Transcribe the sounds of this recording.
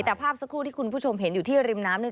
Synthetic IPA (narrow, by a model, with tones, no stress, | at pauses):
jt̪ɛː˨˩pʰaː˥˩p̚sa˧˥kʰɾuː˥˩t̪ʰiː˥˩u˧npʰuː˥˩t͡ɕʰo˧mɦe˩˦njuː˨˩t̪ʰiː˥˩ɾi˧mnaː˦˥mni˥˩